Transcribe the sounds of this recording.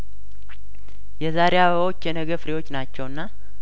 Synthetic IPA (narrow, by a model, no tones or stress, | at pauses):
jɛzaɾejaβəwo̞t͡ʃːjɛnəɡəfɾewo̞t͡ʃːnat͡ʃːɛwɨnːa